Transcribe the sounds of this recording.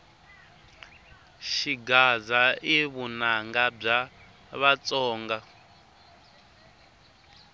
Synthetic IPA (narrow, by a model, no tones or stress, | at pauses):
ʃiɡazaiβunaŋɡab͡ʐa | βat͡sʼɔːŋɡa